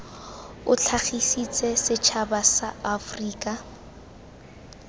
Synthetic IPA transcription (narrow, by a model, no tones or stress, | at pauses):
ʊt͡ɬʰaχisit͡sʼɛsɪt͡ʃʰabasaːfriːkʼa